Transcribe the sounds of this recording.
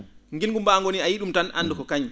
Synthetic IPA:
ŋɡilŋɡumbaŋɡoniajiɗumtanʔa̰nːdɔkɔkaɲ

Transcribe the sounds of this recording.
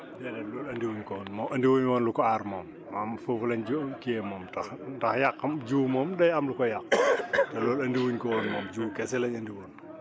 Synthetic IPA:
dɛdɛlɔːlɐndiwuɲkɔːnmɔʔɐndiwoɲwɔːnlukɔarmɔːmːamfəfulɐɲd͡ʒukiɛmɔmtɐxdɐxjakːd͡ʒuːmɔːmdɐjɐmlukɔjɐk̚tɛlɔːlɐndiwuɲkɔːnmɔːmd͡ʒuːkɛsɛlɐɲɐndiwoːn

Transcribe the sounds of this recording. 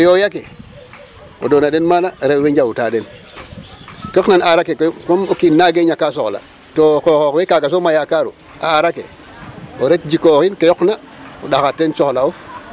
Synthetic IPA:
ojojake | o̰donaɗenmanaɾeweɲd͡ʒawutaden | kəknanaɾakekkomokinːaɡeɲakas̬oxla̰ | tokoxokwekaɡas̬omajakaɾṵ | a̰ːɾakḛ | oɾet̚d͡ʒikoxinkejɔkna | oɗaxatːensɔxlauf

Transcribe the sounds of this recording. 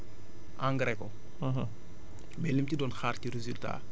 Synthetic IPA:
ʔãŋɡɾɛkɔ | ɦ | bɛlimtidɔnxaːrtiɾezylta̰

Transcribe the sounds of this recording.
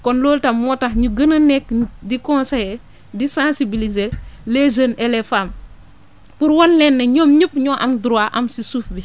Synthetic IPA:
kɔnloːltɐmːɔtɐxɲuɡɐnɐnɛkːdikɔ̃nsɐjɛ | disãsibilizelezənɛlɛfam | puɾwɔnlɛnːɐɲɔːmɲəpːɲɔːʔɐmdɾuaʔɐmsisufbi

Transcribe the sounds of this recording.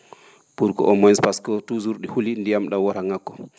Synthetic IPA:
puɾkɔ̰ʔɔmɔnspaskɔtuzuɾɗihulindijamɗawɔɾaŋakːɔ

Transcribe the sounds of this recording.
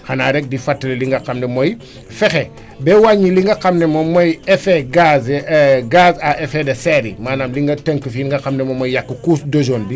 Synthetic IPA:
xanaːɾɛk̚difatːɐleliŋɡɐqamnemoj | fɛxɛ | bɛwaɲːiliŋɡɐkamnɛmomojɛfeɡazɡaːsaʔefedɐsɛɾḭmaːnaːmliŋɡɐtəŋkəfiŋɡɐxamnemomojjakːəkusdod͡ʒoːnbi

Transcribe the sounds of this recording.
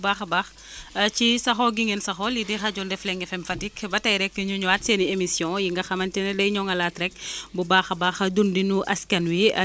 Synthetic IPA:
baːxɐbax | cisɐxɔɡiŋensɐxɔlidixɐɟɔndɛflɛŋɡɛfɛmfɐtikbɐtɐjɾɛkːəɲuɲuaːtseniemisjɔ̃jiŋɡɐxɐmɐntɛnɛdɐjɲɔŋɡɐlatɾɛk̚bubaːxɐbaːxdundinuʔɐskɐnwi

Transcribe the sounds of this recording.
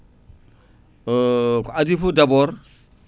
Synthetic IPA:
kadifodaboɾ

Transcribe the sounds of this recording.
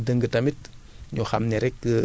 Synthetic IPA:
dəŋɡətɐmit̚ɲɔxa̰mnɛɾɛkːə

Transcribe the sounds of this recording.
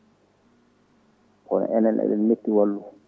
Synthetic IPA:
kɔna̰ʔɛnɛnɛ̰ɗɛnmetːiwalːu

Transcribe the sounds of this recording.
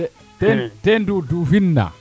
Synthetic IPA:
tɛtɛndudufinːa̰

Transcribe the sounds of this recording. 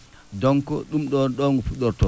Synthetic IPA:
dɔŋkɔ̰ɗumɗɔnɗɔŋɡufuɗɔɾtɔ

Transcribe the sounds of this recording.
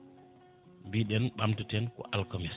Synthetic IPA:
mbiɗɛnɓamtutɛnkɔ̰ʔalkɔmis

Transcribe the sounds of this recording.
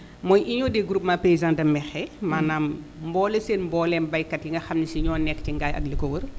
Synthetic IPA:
mɔjʔiɲɔːdɛɡɾup̚mapejzãndɐmːɛxɛmaːnaːm | mbɔːlɛseːnmbɔːlɛnbɐjkːɐtjiŋɡɐxɐmnisiɲɔːnɛkːciŋɡaːjɐ̰ɡlikɔwər

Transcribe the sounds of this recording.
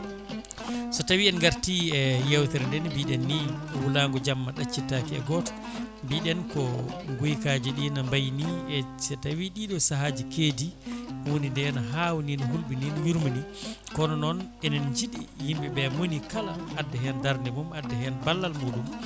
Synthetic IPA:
sɔtawiɛnɡaɾtiɛjɛwtɛɾndɛnbiɗɛnːiwulaŋɡɔd͡ʒamːaɗat͡ʃːitːakiɛ̰ɡɔtḁ | biɗɛnkɔɡujkad͡ʒiɗinambajniɛsɛtawiɗiɗɔsaɦad͡ʒikeːdiwonindɛnɔɦawuninɔɦulɓininɔwiɾmunikɔnɔnɔnɛnɛnd͡ʒiɗḭjimɓɛbɛmonikalaːdːɛɦɛndaɾnɛmumadːɛɦɛnbalːalmuɗum

